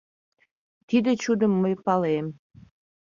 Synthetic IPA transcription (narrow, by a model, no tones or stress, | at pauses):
t̪id̪et͡ɕud̪əmːəjpɑlem